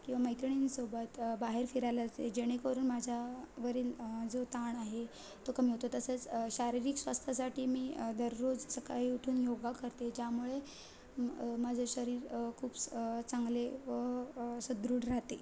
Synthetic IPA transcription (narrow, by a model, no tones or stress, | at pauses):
kĩw̃ʋaməjt̪ɳ̃iːnsobət̪baɦeɾfiɾajlat̪ed͡ʑeɽ̃ekəɾuːnmad͡ʑʱjaʋəɾiːld͡zot̪aɳaɦe | t̪okəmiɦot̪ot̪əsət͡sɕaɾiɾiksʋast̪ʰəsaʈʰiːmiːd̪əɾːod͡zsəkaɦiuʈʰuːnjoɡakəɾt̪ed͡ʑjamuɭe | mad͡zəɕəɾiːɾkʰuːbt͡saŋɡleʋəsəd̪ɾuːɽɾaɦt̪e